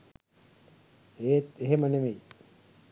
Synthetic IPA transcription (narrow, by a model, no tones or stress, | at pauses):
eːt̪eɦemənemej